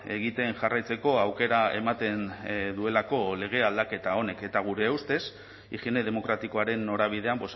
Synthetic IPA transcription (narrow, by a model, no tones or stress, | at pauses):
e̞ɣ̞it̪e̞nʝarajt͡se̞ko̞awke̞ɾae̞mat̪e̞nd̪ue̞lako̞le̞ɣ̞e̞ald̪ake̞t̪ao̞ne̞ke̞t̪aɣ̞uɾe̞ːwst̪e̞s | iʝiene̞ðe̞mo̞kɾat̪iko̞aɾe̞nːo̞ɾaβ̞ið̞e̞ambos